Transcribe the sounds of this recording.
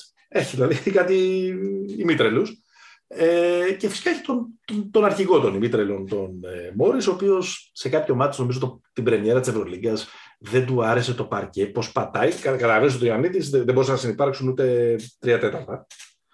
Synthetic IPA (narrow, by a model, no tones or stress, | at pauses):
eçiðilɐðieçikɐt̪iː | mit̪ɾelus | ece̞fi̥skɐeçi̥t̪ont̪ot̪o̞nɐɾçiɣo̞t̪o̞nimit̪ɾelo̞nt̪o̞nemo̞ɾiso̞ːpio̞sse̞kɐpço̞mɐt̪i̥sno̞mizot̪ot̪ibɾe̞mie̞ɾɐt̪ise̞vɾo̞liɡɐs | ðe̞nd̪uɐɾe̞se̞t̪o̞pɐɾce̞po̞spɐt̪ɐjkɐkɐt̪ɐlɐvenis̬ot̪oɐnit̪izðeðebo̞ɾisenɐsinipɐɾksunut̪e̞t̪ɾiɐt̪e̞t̪ɐɾt̪ɐ